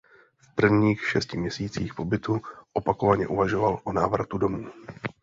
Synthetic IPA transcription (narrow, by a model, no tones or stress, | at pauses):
fpr̩vɲiːxʃɛscɪmɲɛsiːt͡siːxpo̞bɪt̪uʔo̞pakovaɲɛʔuvaʒo̞valʔonaːvɾat̪udo̞muː